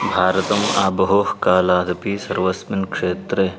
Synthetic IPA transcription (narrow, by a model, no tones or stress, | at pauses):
bʱaːɾɐt̪ɐmaːbɐɦoːhkaːlaːd̪ɐpisɐɾʋɐsminkʂeːt̪ɾe